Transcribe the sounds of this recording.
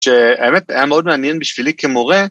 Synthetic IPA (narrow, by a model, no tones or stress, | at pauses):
ʃeaemet̪ajameod̪meanjenbiʃv̥ilikemoʁe